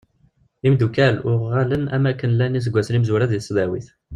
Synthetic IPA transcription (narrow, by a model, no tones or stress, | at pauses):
imd̪ukælʊʁːælənæ̰mækːənlænis̬əɡʷːæslimzuɾæðisðæwiθ